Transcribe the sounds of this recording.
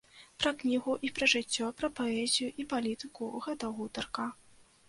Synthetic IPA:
pɾɐknʲiɣuʔipɾɐʐɨt͡sʲːɔpɾɐpaɛzʲijuʔipalʲit̪ɨkuɣɛt̪ɐɣut̪ɐrkɐ

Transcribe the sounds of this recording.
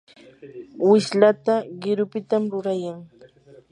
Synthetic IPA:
wɪʃlat̪aɢɪɾʊpɪt̪amɾʊɾajaŋ

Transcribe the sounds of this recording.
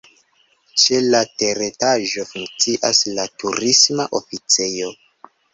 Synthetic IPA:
t͡ʃe̞late̞ɾetaʒo̞fuŋkt͡siʔaslatuɾismaʔo̞fit͡sejo̞

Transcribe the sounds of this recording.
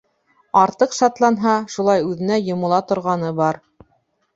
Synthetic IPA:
ɑɾt̪ɤqʃɑt̪lˠɑnɦɑʃulˠɑjʉðɘ̆næjŏmŏlˠɑt̪ŏɾʁɑnɤbɑɾ

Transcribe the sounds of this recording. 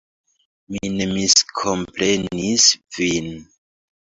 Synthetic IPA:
minemiskʰo̞mpɾenisvin

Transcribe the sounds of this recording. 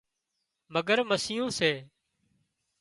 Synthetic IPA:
məɡəɾməsɪjõːseː

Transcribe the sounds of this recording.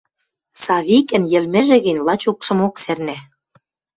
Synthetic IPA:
sɑβikɘ̆njɘ̆lmĕʒĕɣɘ̆nʲlɑt͡ɕukʃɤ̆moksernæ

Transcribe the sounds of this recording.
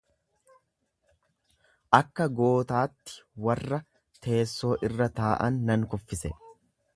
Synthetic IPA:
ʔɐkːɐɡo̞ːt̪aːt̪ːɪ̥wɐrːɐ | t̪ʰe̞ːsːo̞ːʔɪrːɐt̪aːʔɐ̰nːɐŋkɔfːɪsɛ

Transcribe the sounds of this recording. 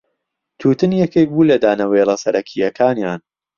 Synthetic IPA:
t̪ʰuːt̪ɨnjɛkek̚buːlɐd̪aːnɐwelɐsɐɾʔɐkʰijɐkʰaːnjaːn

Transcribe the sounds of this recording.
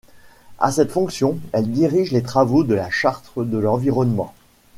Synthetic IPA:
a̰sɛt̪fɔ̃ksjɔ̃ɛld̪iʁiʒlet̪χavod̪əlaʃaʁt̪χəd̪əlɑ̃viʁɔnmɑ̰̃

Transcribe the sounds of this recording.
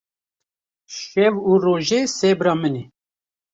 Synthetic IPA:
ʃɛvuroːʒesɛbɾɑːmɨne

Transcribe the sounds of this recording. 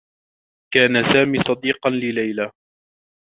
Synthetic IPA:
kaːnasaːmiːsˤɑd̪iːqɑnlɪlajla

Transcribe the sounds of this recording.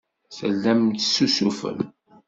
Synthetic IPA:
səlːæmt̪sːusufə̰l

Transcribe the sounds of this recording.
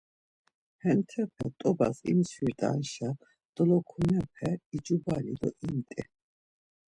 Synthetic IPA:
hɛnt̪ʰɛpʰɛ̰t̪ʼɔba̰sḭmswiɾt̪ʼa̰nʃa | d̪̥ʼlɔkʰunɛp̚ʰɛid͡ʒʼubalḭd̪ɔʔint̪ʼɛ

